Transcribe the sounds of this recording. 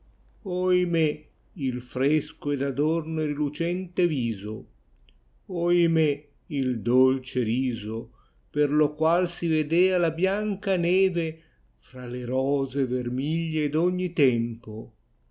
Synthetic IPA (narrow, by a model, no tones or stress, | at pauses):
ɔjme | ilfɾeskoɛd̪ad̪ornod̪ilut͡ʃɛnt̪eviːzo | oime | ild̪olt͡ʃeɾiːzo | perlokwalsived̪eːalabjaŋkanɛːve | fɾaleɾɔːzevermiʎːed̪oɲːit̪ɛmpo